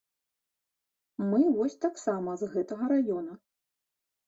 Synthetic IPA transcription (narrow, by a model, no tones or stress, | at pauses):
mɨvɔsʲt̪aksamɐzɣɛt̪ɐɣɐɾajɔnɐ